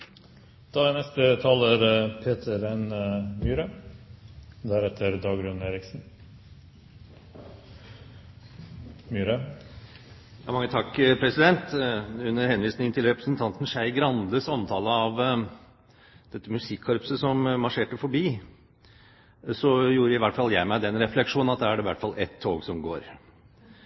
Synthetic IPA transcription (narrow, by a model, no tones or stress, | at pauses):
d̪̥ɑɛnɛst̪ət̪ʰɑːləɾpʰeːt̪ʰəɾɛnmyːɾə | d̪æɾɛt̪ʰəɾd̪ɑːɡɾʉneːɾɪksn̩ | myːɾə | jɑ̰ːmɑŋːət̪ʰɑkːpʰɾɛsɪd̪ɛnt̪ʉnːəɾhɛnʋiːsnɪŋənt̪ʰɪlɾɛpɾəsnt̪ʰɑnt̪n̩ʃæɪɡɾɑnd̪əsɑmt̪ʰɑːləɑʋ | d̪̥ɛt̪ːəmʉsɪkʰːɑɾpsəsɔmmɑʂeːʈəfɔbiː | sɔjuːɾəɪʋæʈfɑlːjæɪmæɪd̪ɛnɾɛflɛkʂuːnɑt̪̚d̪æːæɖɛʋæʈfɑlːʔɛt̪ʰːoːɡsɔmɡo̰ːɾ